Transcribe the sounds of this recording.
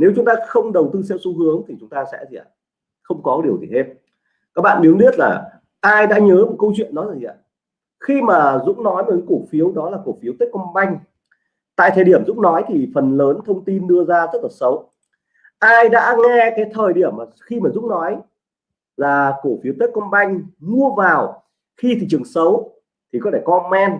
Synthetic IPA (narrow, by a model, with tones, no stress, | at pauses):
ne˨˦wt͡ɕʊ˨˦ŋ͡mt̪aː˧xə˧wŋ͡mɗə˨˩wt̪ɨ˧sɛ˧˥wso˨˦ɦɨ˨˦əŋt̪ʰi˨˩t͡ɕʊ˨˦ŋ͡mt̪aː˧sɛ̰˧˥t̪ʰi˨˩˨a̰ː˧˨˩ | xə˧wŋ͡mkɔ˨˦ɗi˨˩əwt̪ʰi˨˩he˧m | kaː˦˥k̚ɓa̰ː˧˨ɓi˨˦wɗi˦˥ət̚laː˨˩ | ʔaː˧jɗa̰ː˧˥ɲəː˨˦mo˨˩t̚kə˧wt͡ɕwḭ˧ənːɔ˨˦jzaː˨˩i˨˩ʔa̰ː˧˨˩ | xi˧maː˨˩zʊ̰˧˥ŋ͡mnɔ˨˦jmo˨˩kə˨˦ku˨˩k̚fi˨˦əwɗɔ˨˦laː˨˩ko˧˩fi˨˦wt̪i˦˥k̚kɔ˧ŋ͡mɓa˧jŋ̟ | t̪a̰ː˧˨jt̪ʰəː˨˩ɗi˧˩əmzʊ̰˧˥ŋ͡mnɔ˨˦jt̪ʰi˨˩fə˨˩nləː˨˦nt̪ʰə˧wŋ͡mt̪i˧nɗɨ˧əzaː˧zə˦˥t̚laː˨˩sə˨˦w | ʔaː˧jɗa̰ː˧˥ŋɛ˧kaː˨˦jt̪ʰəː˨˩jɗi˧˩əmːaː˨˩xi˧maː˨˩zʊ̰˧˥ŋ͡mnɔ˨˦j | laː˨˩ko˧˩fi˨˦əwt̪i˦˥k̚kə˧nɓa˧jŋ̟mu˧əvaː˨˩w | xi˧t̪ḭ˧˨t͡ɕɨ˨˩əŋsə˨˦w | t̪ʰi˨˩kɔ˨˦t̪e˧˩kɔ˧mɛ˧n